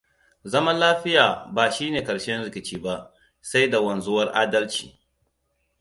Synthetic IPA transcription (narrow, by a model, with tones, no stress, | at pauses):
zɐ˦mɐ˦nlaː˦ɸɪ˦jaː˨baː˨ʃiː˦neː˨kɐ˨ʃɛ˦nɾɪ˨kʲɪ˨t͡ʃiː˦ba˦ʔ | sa˦jda˨wɐ˨nzʊ˦wɐ˦rʔaː˦dɐ˦lt͡ʃiː˨